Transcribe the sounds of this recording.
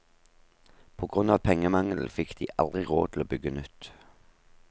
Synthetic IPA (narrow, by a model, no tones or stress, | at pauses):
pʰoːɡʁʉnɑːʋpʰɛŋəmɑŋl̩fɪkd̪̥iːʔɑ̰ld̪ʁɪʁo̰ːt̪ʰl̩oːbʏɡənʉt̪